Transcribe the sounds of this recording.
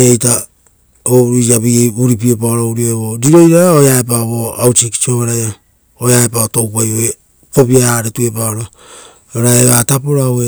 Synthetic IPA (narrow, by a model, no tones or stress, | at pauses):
ejta | oɾaβieuɾipiepaoɾowɾioeβoɾiɾo̞jɾaɾaojaep̬aβoawt͡ʃiki̥t͡ʃioβaɾajo | ojaepaotowpajoe | ko̞piaaɾetue̞paoɾo | oɾaeβatapoɾawe